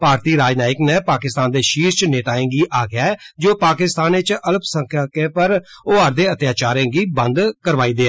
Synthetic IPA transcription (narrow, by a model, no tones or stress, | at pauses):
paːɾt̪iːɾaːd͡ʒnaːɪknɛ̃ːpaːkɪst̪aːnd̪eːʃiːɾt͡ʃneːt̪aːẽːŋɡiːʔaːɡɪaːɛːd͡ʒoːpaːkɪst̪aːneːt͡ʃʔələpsəŋkʰːkeːpəɾoːəɾd̪eːət̪jaːt͡ʃaːɾẽːɡiːbə̃nd̪kəɾʋaːiːd̪eːɛː